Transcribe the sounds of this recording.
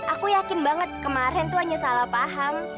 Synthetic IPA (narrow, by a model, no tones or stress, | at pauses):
ʔakujakɪnbaŋət̪̚kəmaɾɛnt̪uɦaɲasalapaɦaŋ